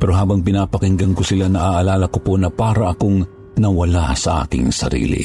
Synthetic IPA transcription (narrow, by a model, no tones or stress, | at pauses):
pɛɾoɦaːbɐŋpɪnaːpɐkɪŋɡɐŋkosɪlanɐʔaʔalaːlɐkopo̞nɐpaːɾɐʔɐkoŋ | nɐwɐlasɐʔa̰ːk̪ɪ̰ŋsɐ̰ɾḭːlḭ